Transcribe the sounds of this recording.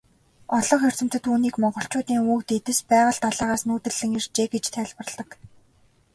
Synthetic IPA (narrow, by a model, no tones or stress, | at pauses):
ɔɮɞ̆χxer̥t͡sɘ̆m̥t̪ɘ̆t̪ʰuːniːkmɔɴɢɞ̆ɬt͡ɕʊːt̪iːŋuːkt̪et̪ɘ̆spæːʁə̆ɬt̪aɮaːʁaːsnuːt̪ɘ̆ɮːɘ̆ŋer̥t͡ɕeːɡet͡ɕt̪ʰæːɮpə̆rɮə̆k